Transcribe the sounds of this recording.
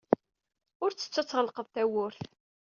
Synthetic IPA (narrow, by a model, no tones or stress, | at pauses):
ʊɾt͡sːə̥t͡sːæt͡sːʁəlqəðˤθæwʊɾθ